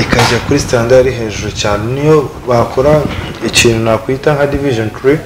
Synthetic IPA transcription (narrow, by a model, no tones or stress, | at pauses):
ikazakuɾistaːndaɾiɦe̞ːʒuɾocaːnenijo̞βakoɾaiciːn̤hunakwiːtaŋhadiviʒontɾi